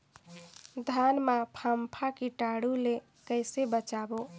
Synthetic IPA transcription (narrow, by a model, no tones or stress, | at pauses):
d̪ʱanmapʰampʰakiʈaɽule | kəɪsebət͡ʃabo